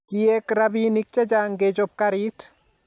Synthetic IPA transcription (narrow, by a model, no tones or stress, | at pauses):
kijɛkɾabinik̚t͡ʃɛd͡ʒaŋɡed͡ʒop̚kaɾit